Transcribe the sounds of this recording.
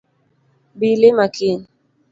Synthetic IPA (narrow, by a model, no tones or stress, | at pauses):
bilemakin